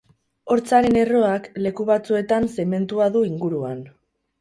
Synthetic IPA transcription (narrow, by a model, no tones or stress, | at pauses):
o̞ɾt͡saɾe̞ne̞ro̞akle̞kuβ̞at͡sue̞t̪anse̞me̞nt̪uaðuiŋɡuɾuan